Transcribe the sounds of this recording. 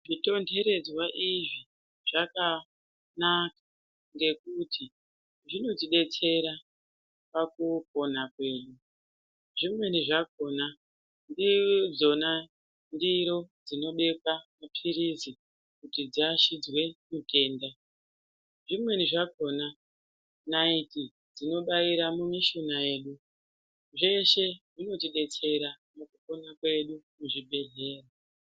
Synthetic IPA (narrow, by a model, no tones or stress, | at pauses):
ʐito̞nde̞ɾe̞d͡zwaʔiʐi | ʐ̥aka | nak̚ḁ | nde̞kutʰi | ʐino̞d͡ziɗe̞t͡se̞ɾa | pakuk̚o̞nakwe̞ːɗu | ʐimwe̞niʐako̞ːna | ndid͡zo̞na | ndiɾo̞d͡zino̞ɓe̞kwamapʰiɾizi | kutid͡ziaʃid͡zwe̞mutʰe̞ːnda | ʐimwe̞niʐako̞na | naiti | d͡zino̞ɓaiɾamumiʃonaje̞ːɗu | ʐe̞ʃe̞ʐino̞tiɗe̞t͡se̞ɾa | mukuko̞nakwe̞ɗumuʐibʱe̞ɮe̞ːra